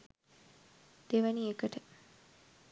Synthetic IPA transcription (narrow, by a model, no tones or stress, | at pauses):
d̪̥eʋəniekəʈə